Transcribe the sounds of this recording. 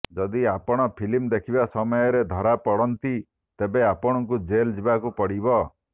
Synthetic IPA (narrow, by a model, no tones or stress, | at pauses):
d͡ʒɔd̪iapɔɽ̃ɔpʰilimd̪ekʰibasɔmɔjɔɾed̪ʱɔɾapɔɽɔnt̪i | t̪ebeapɔɽ̃ɔŋkud͡ʒeld͡ʒibakupɔɽibɔ